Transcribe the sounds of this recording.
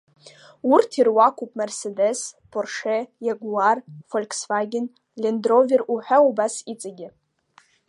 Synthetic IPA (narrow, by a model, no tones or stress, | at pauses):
urtʰirwakʷʰupʼmersedespʰorʂejaɡʷwarfolʲkʰsfaɡʲɪn | lʲendrovʲɪruħʷᶣaubasit͡sʼaɡʲɪ